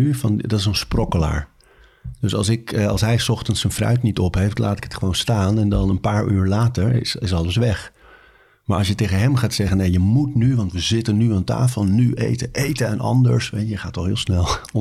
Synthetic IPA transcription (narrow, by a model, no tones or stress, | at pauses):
yfɑndɑtɪsənsprɔkəla̰ːɹ | døsɑ̰lˠsɪkɑ̰lˠsɦɛjsɔχtənsənfrœ̰ɥtnitɔpɦejftlaːtɪ̥kə̥tχəʋownstaːnɛndɑnənpaːɹʔyːɹlaːtəɹɪ̰sɪsɑlˠəsʋɛχ | maːɹʔɑlsjətejχənɦɛmχaːtsɛχənejəmutnyʋɑntʋəzɪtənyanta̰ːfəlˠnyʔḛjtəʔejtəɛnʔɑ̰ndə̰ɹsʋejəχaːtːɔχɦɪːlˠsnɛlˠ